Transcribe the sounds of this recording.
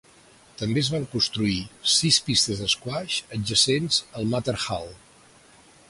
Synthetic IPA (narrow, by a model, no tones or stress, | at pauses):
t̪əmbeəzβaŋkunst̪ɾuisispist̪əzðəskwaʃəd͡ʒəsenzəlˠmat̪əɾxalˠ